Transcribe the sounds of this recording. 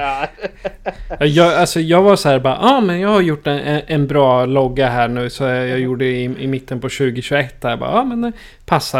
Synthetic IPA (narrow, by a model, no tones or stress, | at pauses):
ɑjɑːɡalsɔjɑːɡvasɔhæːɾbɑ̰ːʔɑːmɛnjɑːɡhaɾjʊʈːɛnɛɛnbɾɑːlɔɡːaɦæːɳʉ̟ːsɔjɑjuːɖəɪɪmɪt̪ʰːənpɔɕʉ̟ːɡɪɕʉɛt̪ːd̪æːjbɑ̰ːɑːmɛn | pʰasːa